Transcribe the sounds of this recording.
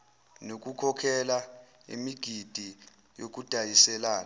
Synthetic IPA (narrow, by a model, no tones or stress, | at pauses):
nok̬ʼukʰɔkʰɛla | ḭmiɡ̥ʱid̥ʱi | jok̬ʼud̥ʱajisɛlaːna